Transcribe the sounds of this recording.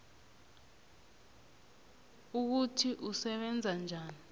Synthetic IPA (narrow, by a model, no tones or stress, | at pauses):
uk̬utʰiʔusɛɓɛnd͡zʱand͡ʒʱaːni